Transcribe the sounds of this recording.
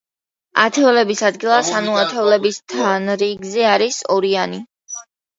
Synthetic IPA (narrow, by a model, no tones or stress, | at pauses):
a̰t̪ʰɛɔlɛbisad̪ɡilˠasanuat̪ʰɛɔlɛbist̪ʰanɾiɡzɛaɾisɔɾiani